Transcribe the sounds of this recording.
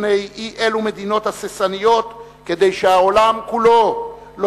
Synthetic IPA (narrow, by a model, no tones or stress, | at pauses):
nejiʔe̞lume̞d̪ino̞t̪hasesanijo̞t̪ | ke̞d̪e̞jʃeaolamkulo̞ | lo